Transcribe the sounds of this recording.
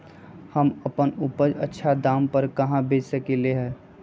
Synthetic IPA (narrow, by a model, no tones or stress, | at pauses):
həməpənupəd͡ʒətːʃʰad̪aːmpəɾkɐɦãbʱeːd͡ʒsəkeleɦɛː